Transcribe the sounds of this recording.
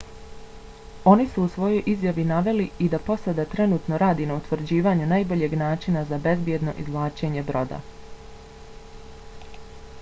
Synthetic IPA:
o̞nisuːsʋo̞jo̞jʔizjaʋinaʋe̞liid̪apo̞sad̪at̪ɾe̞nuːt̪no̞ɾaːd̪inaut̪ʋɾ̩d͡ʑiːʋaɲunajbo̞ʎe̞ɡnaːt͡ʃinazabe̞zbje̞d̪no̞̰ʔizʋlˠaːt͡ʃe̞ɲe̞bɾo̞d̪a̰

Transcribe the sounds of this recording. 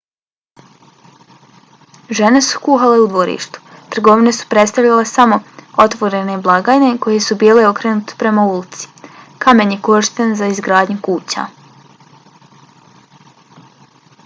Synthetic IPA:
ʒe̞ne̞su̥kuːxale̞ud̪ʋo̞ɾḭːʃt̪u̥t̪r̩ɡo̞ʋine̞su̥pɾe̞t̪st̪aʋʎʲalesamo̞o̞t̪ʋoɾe̞ne̞blˠaɡaːjne̞ko̞je̞subiːleo̞kɾenut̪e̥pɾe̞maulit̪si̥kame̞nje̞koʃt̪enzaizɡɾaːd̪ɲukuːt͡ɕa̰

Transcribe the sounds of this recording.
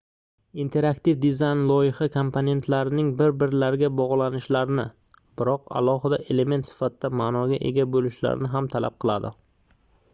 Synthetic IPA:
int̪ʰe̞ɾakt̪ifd̪ɪzajnlˠɒjɪhɑkʰompʰone̞nt̪ʰlaɾɪnɪŋbɪɾbɪɾlaɾɪɡʲabɒʁlˠanɪʃlaɾɪnɪ | bɪɾɒqa̰lˠɒɦɪd̪aʔe̞le̞me̞nt̪sɪ̥fat̪ʰɪd̪amaːnɒɡʲaʔe̞̰ɡʲabolɪʃla̰ɾɪ̰nɪɦamt̪ʰala̰p̚qʰɨlˠad̪ɪ

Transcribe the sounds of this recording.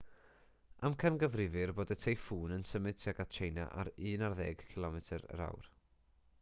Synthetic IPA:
amkʰənɡəvrɪvɨrboːdətʰejfuːnənsəmɨdtʰiaɡat͡ʃʰejna̰ʔa̰ɾɨːnarðɛːɡ̥kʰɪlˠɔmɛtʰəɾə̰ɾa̰wr

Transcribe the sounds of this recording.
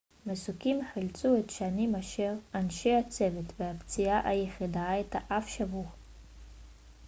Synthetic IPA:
mesukʲimħilt͡sʼuetʃanimaʃeʁanʃejat͡sevetʰveapt͡sijaʔajeχidaaetʰaʔafʃavuʁ

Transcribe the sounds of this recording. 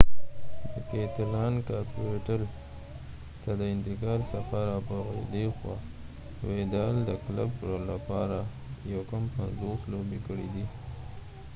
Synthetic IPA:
d̪əket̪alɑnkɑpuʈal | t̪ad̪əɪnt̪ɪkɑlsafaɾapəɣa̰jd̪exwɑ̰ | wed̪ɑld̪əkla̰bɾolapɑɾa | jawkampanzoslobekəɽḭd̪i

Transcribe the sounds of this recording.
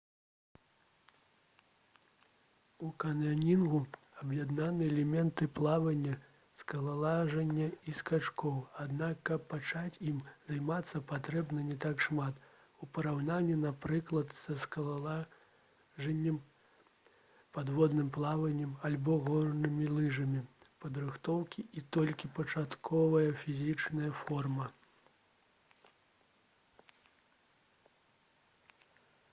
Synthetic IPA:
ukɐnanʲinɣu | ɐbjɛd̪nanɨɛlʲɛmʲɛnt̪ɨplˠavɐnʲːɐ | skɐlˠalˠaʐɐnʲːɐiskat͡ʂkɔwad̪nakːɐpːat͡ʂat͡sʲimzajmat̪sːɐpat̪ɾɛbnɐnʲɛt̪akʂmat̪ | upɐɾawnanʲːɛnapɾɨklˠɐt̪sɐskɐlˠaa | ʐɛnʲːɛm | pad̪vɔd̪nɨmplˠavɐnʲːɛmalʲbɔɣɔrnɨmʲilˠɨʐɐmʲi | pɐd̪ɾɨxt̪ɔwkʲiːt̪ɔlʲkʲipɐt͡ʂat̪kʰɔvɐjɐfʲizʲit͡ʂnɐjɐfɔrmɐ

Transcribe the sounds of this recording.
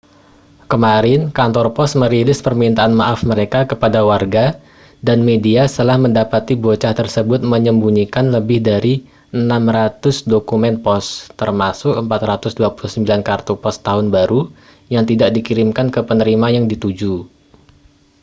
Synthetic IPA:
kəmaɾɪnkant̪ɔrpɔsməɾilɪspərmint̪aʔːnmaʔafməɾekakəpadawarɡa | danmediast̪əlahməndapat̪ibot͡ʃaht̪ərsəbʊt̪̚məɲəmbuɲikanləbɪhdaɾi | ʔənamrat̪ʊsdokumɛnpɔst̪ərmasʊkəmpat̪rat̪ʊsduapuluhsəmbilankart̪upɔst̪aɦʊnbaɾu | jaŋt̪idaʔ̚dikiɾɪmkankəpənəɾimajaŋdit̪ud͡ʒu

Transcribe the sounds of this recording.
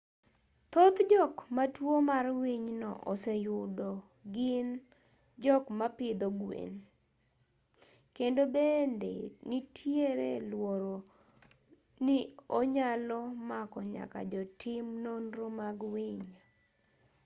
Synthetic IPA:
t̪ot̪d͡ʒɔkmatwomarwiɲnɔ̰ʔosejʊdɔ | ɡɪn | d͡ʒɔkmapɪd̪ɔɡwḛn | kendobendḛnitʰjeɾḛlwoɾo | nioɲalɔmakɔɲa̰ka̰d͡ʒɔtɪmnonɾomaɡwiɲ

